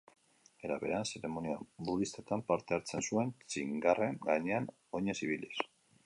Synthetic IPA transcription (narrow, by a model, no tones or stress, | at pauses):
e̞ɾaβe̞̰ɾanse̞ɾe̞mo̞niabuðist̪et̪ampaɾt̪e̞aɾt͡se̞nsue̞nt͡ʃiŋɡare̞ŋɡaɲe̞an | o̞ɲesiβ̞ilis